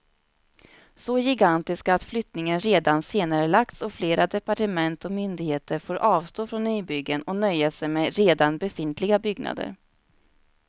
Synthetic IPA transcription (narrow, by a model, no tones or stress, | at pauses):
sɔjɪɡant̪ɪskaːt̪flʏt̪nɪŋənɾeːd̪anseːnaɾəlak̚t̪sɔfleːɾad̪ɛpaʈəmɛnt̪ɔmʏnd̪ɪɡheːt̪ʰəɾfoːɾʔɑːvst̪oːfɾɔnːyːbʏɡːənɔnœjːasɛjmɛɾeːd̪anbɛfɪnt̪ʰlɪɡabʏɡna̰d̪ə̰ɾ